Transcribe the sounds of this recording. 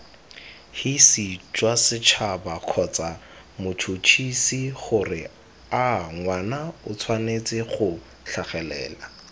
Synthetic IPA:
hisit͡ʃʼwasɪt͡ʃʰabaq͡χʰɔt͡sʼa | mʊt͡ʃʰut͡ʃʰisiχʊrɪ | aŋwanaʊt͡sʰwanet͡sʼɪχʊ | ɬaχɛlɛ̰ːla

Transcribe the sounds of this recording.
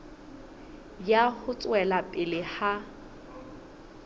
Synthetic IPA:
jahʊt͡sʼwɛlapʼɪlɪha

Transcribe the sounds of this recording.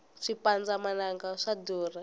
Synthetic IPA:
ʂipand͡zamanaŋɡaʂadɔːra

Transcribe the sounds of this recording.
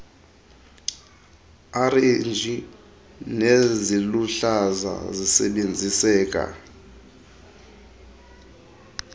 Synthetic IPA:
arend͡ʒʱi | neziluɬaza̰zisɛɓend͡zʱisɛːk̬ʼa̰

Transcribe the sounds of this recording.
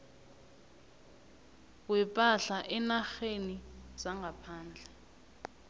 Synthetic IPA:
wɛpʼaɬaʔɛnaxeniz̥aŋɡapʰaːnd͡ɮʱɛ

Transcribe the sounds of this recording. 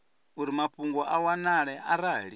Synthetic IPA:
uɾimaɸuŋɡɔʔawanaɺɛʔaɾaːɺi

